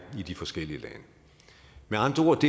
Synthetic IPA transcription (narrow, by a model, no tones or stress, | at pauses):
id̥ifɒ̽sɡ̥el̰iəlɛnə | meɑ̈nd̥ʁɐo̝ɐ̰d̥e̝